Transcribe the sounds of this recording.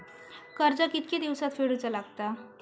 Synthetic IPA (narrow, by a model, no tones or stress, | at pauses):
kəɾd͡zakit̪ked̪iʋsat̪feɽut͡salaɡ̚t̪a